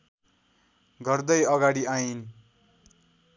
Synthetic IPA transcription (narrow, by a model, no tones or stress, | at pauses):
ɡʱʌrd̪ʌjʌɡaɽiain